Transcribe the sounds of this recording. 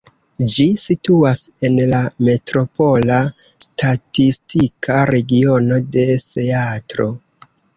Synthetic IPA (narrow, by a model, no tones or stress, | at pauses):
d͡ʒisituase̞nlame̞tɾo̞po̞la | stʰatistikʰaɾe̞ɡio̞no̞de̞steatɾo̞